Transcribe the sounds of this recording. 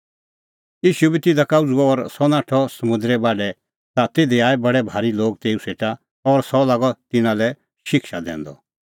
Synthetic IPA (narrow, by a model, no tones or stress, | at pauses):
jiːʃubit̪ɪd̪akaːʊd͡zuɔːɾsɔnaːʈʰɔsɐmʊ̃nd̪ɾɛbaːɖɛ | t̪at̪eːd̪iaːɛbɐɽɛbʱaːɾiloːɡt̪eːuseːʈa | ɔɾsɔlaːɡɔt̪ɪnãlɛ | ʃɪkʃad̪ɛ̰̃ːnd̪ɔ̰